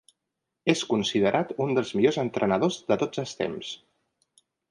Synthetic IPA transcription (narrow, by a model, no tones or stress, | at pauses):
eskunsið̞əɾʔat̪und̪əlˠzmiʎozənt̪ɾʔənəð̞ozðət̪od͡zəlˠst̪ḛms